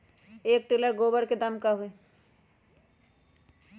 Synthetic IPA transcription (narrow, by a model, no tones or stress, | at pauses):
eːk̚ʈoləɾɡoːbəɽked̪amkaɦoe